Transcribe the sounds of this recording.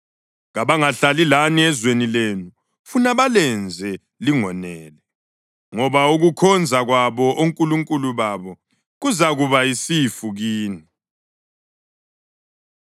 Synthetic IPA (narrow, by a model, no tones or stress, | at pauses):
ɣaβaŋaɬalilaniɛzwenilenu | funaβalɛnd͡zʱɛ | liŋɔnɛːlɛ | ŋɔβauɣukʰɔnd͡zʱaɣwaβɔʔoŋkʼuluŋkʼuluβaβɔ | ɣuzaɣuβaisifuɣiːni